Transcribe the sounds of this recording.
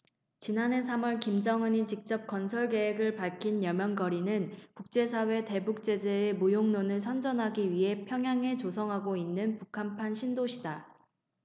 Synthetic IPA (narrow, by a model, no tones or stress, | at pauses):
t͡ɕinane̞s̬ʰamʌɭkimd͡ʑʌŋɯɲit͡ɕik̚t͡ɕ͈ʌp̚k͈ʌnsʰʌɭɡe̞ɦeɡɯɭpaɭkʰinjʌmjʌŋɡʌɾinɯnkuk̚t͡ɕ͈e̞sʰawe̞te̞buk̚t͡ɕ͈e̞d͡ʑe̞ːmujoŋnonɯɭsʰʌnd͡ʑʌnɦaɡiɥiɦe̞pʰjʌŋɦjaŋe̞t͡ɕosʰʌŋɦaɡoinːɯnpukʰampʰanɕʰindoɕʰida